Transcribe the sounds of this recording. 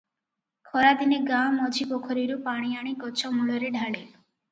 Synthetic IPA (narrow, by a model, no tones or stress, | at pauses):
kʰɔɾad̪ineɡamɔd͡ʒʱibokʰɔɾiɾupaɽ̃iaɽ̃ikɔt͡ʃʰɔmuɭɔɾeɖʱaɭe